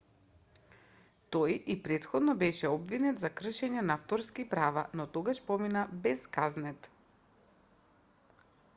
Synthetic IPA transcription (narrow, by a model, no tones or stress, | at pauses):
t̪ɔjipɾɛt̪xɔd̪nɔbɛʃɛɔbvinɛt̪zakr̩ʃɛɲɛnaaft̪ɔɾskipɾavanɔt̪ɔɡaʃpɔminabɛskaznɛt̪